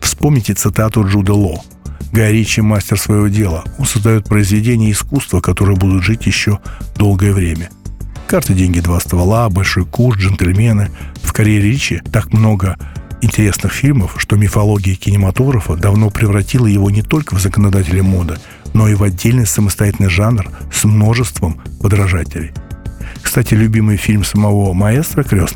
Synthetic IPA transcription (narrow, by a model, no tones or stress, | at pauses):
fspo̞mnʲɪtʲɪt̪sɨt̪at̪ʊʐud̪əlˠo̞ | ɡɐɾʲit͡ɕɪmasʲtʲɪrsvəjɪvo̞dʲe̞lˠəo̞nsəzd̪ɐjo̞t̪̚pɾəɪzvʲɪdʲenʲɪjəɪskust̪vəkɐt̪o̞ɾɨjəbud̪ʊt̪ʐɨtʲjɪɕːo̞d̪o̞lˠɡəjəvɾʲemʲə | kart̪ɨdʲenʲɡʲɪd̪vast̪vɐlˠabɐlʲʂo̞jkurdʐɨnt̪əlʲmʲe̞nɨfkɐɾʲeɾʲit͡ɕɪt̪akmno̞ɡəɪnʲtʲɪɾʲe̞snɨxfʲilʲməfʂt̪o̞mʲɪfɐlˠo̞ɡʲɪəkʲɪnʲɪmɐt̪o̞ɡɾəfəd̪ɐvno̞pɾʲɪvɾɐtʲilˠəjɪvo̞nʲɪt̪o̞lʲkəvzəkənɐd̪atʲɪlʲɪmo̞d̪ə | no̞ivɐdʲːelʲnɨjsəməst̪ɐjatʲɪlnɨɪjʐanrsmno̞ʐɨst̪vəmpəd̪ɾɐʐatʲɪlʲɪjkst̪atʲɪlʲʊbʲimɨjfʲilʲmsəmɐvo̞mɐest̪ɾəkɾʲosn